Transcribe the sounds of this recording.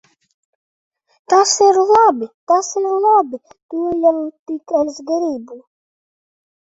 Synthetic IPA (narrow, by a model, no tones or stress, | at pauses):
t̪asiɾlˠɑbit̪asɪɾlˠɑbi | t̪ujawt̪ikɛlʲzɡaɾiːbu